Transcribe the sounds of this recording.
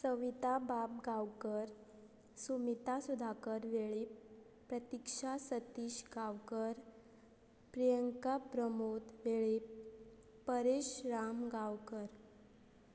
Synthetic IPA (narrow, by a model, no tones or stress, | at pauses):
səʋit̪abab̚ɡawkəɾ | sumit̪asud̪ʱakəɾʋeɭi | pːɾət̪ikʂasət̪iːɕɡawkəɾ | pɾijəŋkapɾəmot̪ʋeɭip | pəɾeɕɾamɡawkəɾ